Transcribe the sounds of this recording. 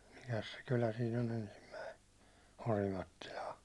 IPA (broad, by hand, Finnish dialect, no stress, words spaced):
mikæs se kylæ siːn on ensimːæi orimɑtːilɑː